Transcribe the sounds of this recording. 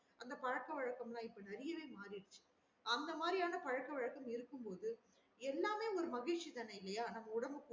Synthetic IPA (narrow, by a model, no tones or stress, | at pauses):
ɐnd̪ɐpɐɻɐkːɐʋɐɻɐkːɐmlãːɪpːɐnɐɾɪjɐʋeːmaːɾɪɽɯt͡ʃːɯ̥ | ɐnd̪ɐmaːd̪ɾɪjaːnɐpɐɻɐkːɐʋɐɻɐkːɐmɪɾɯkːɯmpoːðɯ | ɛlːaːmeːɔɾɯmɐɣɪɻʈt͡ʃːit̪ɐnːɐɪlːɐjaːnɐmːɐʊɽɐmɯkː